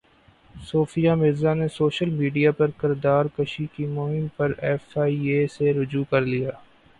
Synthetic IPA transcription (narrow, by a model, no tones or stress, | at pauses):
soːfijamɪɾzanesoːʃəlmiːɖijapɐɾkɪɾd̪aːɾkɐʃikimʊɦɪmpɐɾɛːfaːieːseɾʊd͡ʒukɐɾlijaː